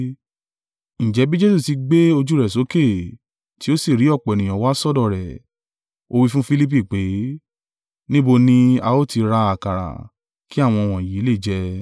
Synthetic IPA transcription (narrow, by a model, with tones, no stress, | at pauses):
ñ̩˨d͡ʒɛ˨˦bi˦d͡ʒe˦su˦˨ti˧ɡ͡be˦o˧d͡ʒu˦ɾɛ˨so˨˦ke˦˨ | ti˨˦o˦si˦˨ɾi˨˦ɔ˦˨k͡pɔ˨nĩ˨j̃ɔ̃˨˦wa˦sɔ˦˨dɔ˦˨ɾɛ˨ | o˦˧wi˦fũ˦fi˦li˦p̬i˦˨k͡pe˨˦ | nĩ˦bo˧nĩ˦a˧o˦ti˧ɾa˧a˨ka˨ɾa̰˨ | ki˦a˦˨w̃ɔ̃˧w̃ɔ̃˨ji˨˦le˦˨d͡ʒɛ˧